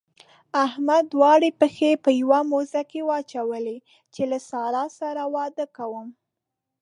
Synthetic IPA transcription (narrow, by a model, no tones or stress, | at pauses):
ahmad̪ːwɑɽepəxepəjwamozakewɑt͡ʃawəle | t͡ʃelasɑɾɑsaɾawɑd̪əkawəm